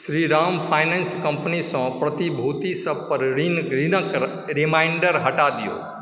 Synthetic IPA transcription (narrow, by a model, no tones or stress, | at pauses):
sɾiɾampʰajnenskə̃mpnisɔ̃pɾət̪ibʱut̪isəb̚pəɾɾinɾinək | ɾimaɪɳɖəɾɦəʈad̪ijo̰